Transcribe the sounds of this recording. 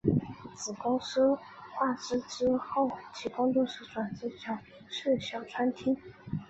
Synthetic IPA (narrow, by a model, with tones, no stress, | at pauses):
t͡sɹ̩˨˩kʊ˥ŋʂ̩˥xwa˥˩ʈ͡ʂɻ̩˥ʈ͡ʂɻ̩˥xo˥˩ʊt͡ɕʰi˧˥kʊ˥ŋt̪ɔ˥˧ʂɻ̩˧˥ʈ͡ʂwa˨˩nt͡s̩˥t͡ɕʰjɑ˨˩˦ʊ | ʂe˥˩ɕjɑ˨˩ʊʈ͡ʂʰwa˥nt̪ʰi˥ŋ